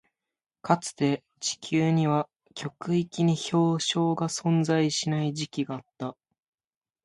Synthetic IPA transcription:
kat͡sɨ̥t̪e̞ | t͡ɕi̥kʲʰɨːɲ̟iβa | kʲo̞kɯ̟ikʲiɲ̟iço̞ːɕo̞ːɡasõ̞nd͡zaiɕinaiʑikʲiɡaːt̪ːa

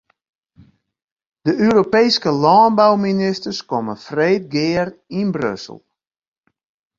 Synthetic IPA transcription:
d̥əʔøːɾopejskəlɔːnbawminɪstərskɔməfreːt̚ɡɪərinbrø̰sə̰l̩ˠ

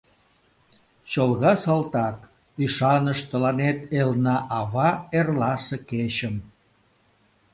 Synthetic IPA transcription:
t͡ɕolɣɑsɑlt̪ɑk | yʃɑnəʃt̪əlɑnet̪elnɑʔɑβɑerlɑseket͡ɕəm

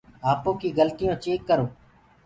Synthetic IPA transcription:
aːpõːkiːɡəlt̪ɪjõːt͡ʃeːkːəɾoː

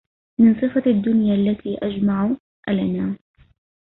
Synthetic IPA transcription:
mɪnsˤɨfɑad̪ːʊnjaːʔlːat̪iːʔad͡ʒmaʕ | ʔalanaː

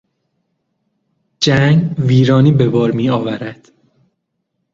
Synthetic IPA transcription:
d͡ʒæŋɡviːɾɒːniːbe̞bɒːɾmiːɒːvæɾæd̪̥

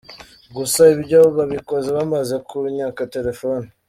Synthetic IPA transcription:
ɡusaiβiɾɟaβoβaβikozeβamazekʰuɲaːkate̞ɾe̞foni

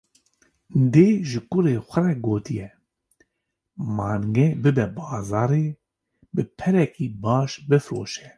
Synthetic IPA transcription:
d̪eːʒɨkʊɾeːxʷɛrɛɡoːt̪ijɛ | mɑːŋɡɛbɨbɛbɑːzɑːɾeː | bɨpʰɛɾɛkiːbɑːʃbɨfɾoːʃɛ

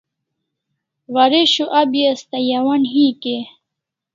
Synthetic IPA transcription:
wɐɾeɕuʔɐbjest̪ɐjɐwɐnɦiːke

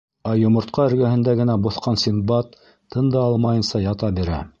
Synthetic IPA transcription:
æjŏmŏɾt̪̚qɑɵ̆ɾɡæhɘ̆nd̪æɡɘ̆næbŏθqɑnsʲimbɑt̪ʰː | ɤ̆nd̪ɑɑlˠmɑjɤ̆nsɑjɑt̪ɑbiɾæ̰

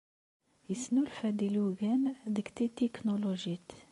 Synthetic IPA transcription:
jəsnulfæd̪iluɡænd̪əkt̪it̪ːiknoloʒit̪

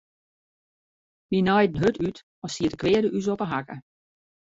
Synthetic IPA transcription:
minɔjdn̩ɦøtʰyt | ɔsiətəkʰʋɪədəʔys̬ɔpəɦakə

